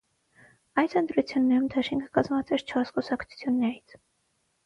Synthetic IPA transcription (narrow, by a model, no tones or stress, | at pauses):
ɑjsənt̪ɾut͡sʰjunːɛɾumd̪ɑʃiŋkʰə̥kɑzmɑt͡sɛɾt͡ʃʰɔɾskusɑkʰt͡sʰu̥t͡sʰjunːɛɾit͡sʰ